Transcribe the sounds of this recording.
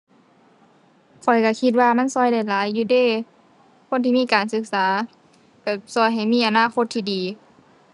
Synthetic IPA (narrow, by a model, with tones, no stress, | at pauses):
kʰɔ˨˩jka˧˩kʰi˧t̪̚waː˧ma˧˥˨nsɔː˧˩˨jda˧˩jlaː˨˦jːuː˧deː˧˩˨ | kʰo˧˥˨nt̪ʰiː˧˨miː˧˥˨kaː˨˩nsɯ˧˦k̚saː˨˦ | ka˧˩sɔː˧˩jɦa˨˩jmiː˧˥˨ʔa˨naː˧˨kʰo˧˥t̪ʰːiː˧˩diː˨˦